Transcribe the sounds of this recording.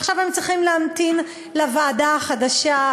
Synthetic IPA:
χʃavhemt͡sʁiχimleamt̪in | lavaːdaχadaʃa

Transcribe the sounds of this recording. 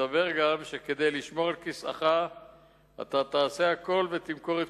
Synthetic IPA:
abe̞ʁɡamʃe̞ke̞d̪ejliʃmo̞ʁalkisa̰χa | a̰t̪at̪aːse̞hako̞lve̞t̪imko̞ʁet̪

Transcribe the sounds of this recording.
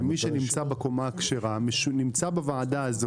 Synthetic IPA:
miʃenimt͡sabekomakʃeʁamʃnimt͡sabevaʕadaːzo

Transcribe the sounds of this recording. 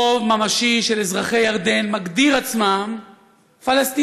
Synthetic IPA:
ovmamaʃiʃe̞lezʁaχe̞jaʁd̪e̞nmaɡd̪iʁat͡smam | falast̪i

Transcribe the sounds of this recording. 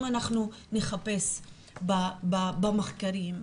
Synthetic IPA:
anaχnune̞χape̞s | bababameχkaɾim

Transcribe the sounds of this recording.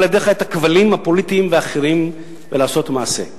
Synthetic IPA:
ljed̪eχaet̪akvalimhapo̞lit̪imveaχeʁim | velaːso̞t̪maːse̞̰

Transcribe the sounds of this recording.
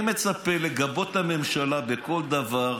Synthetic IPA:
me̞t͡sapele̞ɡabo̞t̪hame̞mʃalabe̞ko̞ld̪avaʁ

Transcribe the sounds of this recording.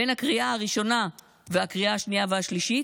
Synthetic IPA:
ejnhakʁiʔaaʁiʃo̞na | veakʁiaaʃniaveaʃliʃi

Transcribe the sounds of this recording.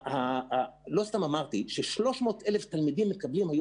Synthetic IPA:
halo̞st̪amamaʁt̪iʃeʃlo̞ʃmo̞ːt̪ʔele̞ft̪almid̪imːekablimhaj

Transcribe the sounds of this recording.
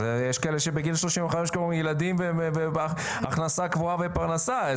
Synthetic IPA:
ejeʃkaeleʃebeɡilʃlo̞ʃimvaχaeʃkoomjelad̪imveeve | a̰χnasakvuavepaʁnasa

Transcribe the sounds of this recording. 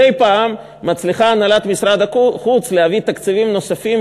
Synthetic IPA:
ejpaːmː | at͡sliχaːnalat̪misɾad̪akχut͡slehavit̪akt͡sivimno̞safim

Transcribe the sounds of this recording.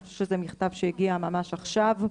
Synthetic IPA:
ʃu̥ʃezemiχt̪avʃejiɡiamamaʃaχʃav

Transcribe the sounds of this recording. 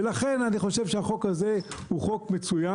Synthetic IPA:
elaχe̞naniχo̞ʃe̞vʃeaχo̞kaze̞huχo̞kmet͡suja

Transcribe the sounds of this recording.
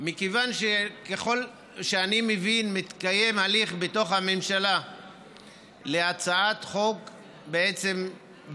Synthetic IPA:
mikevanʃekeχo̞l | ʃeanimevinmit̪kaje̞mhaliχbeto̞χhamemʃala | le̞at͡saat̪χo̞k | beet͡sem

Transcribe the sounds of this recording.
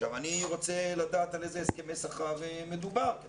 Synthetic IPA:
ʃavaniʁo̞t͡selad̪aːt̪alezeeskemesaχavmed̪ubaʁ

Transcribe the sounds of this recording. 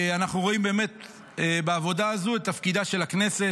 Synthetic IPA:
anaχnuʁo̞imbe̞ːme̞t̪̚ | ebaːvo̞daːzuet̪ːafkid̪aʃe̞lakne̞se̞

